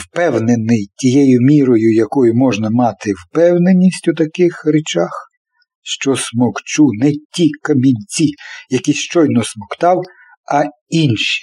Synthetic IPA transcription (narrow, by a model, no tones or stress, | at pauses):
wpɛwnenɪjtʲijɛjʊmʲiɾɔjʊjɐkɔjʊmɔʒnɐmɑt̪ɪwpɛwnenʲːisʲtʲʊt̪ɐkɪxɾɪt͡ʃax | ʃt͡ʃɔsmɔkt͡ʃunɛtʲikɐmʲinʲt͡sʲijɐkʲiʃt͡ʃɔjnɔsmɔkt̪ɑw | ɐ | inʃi̥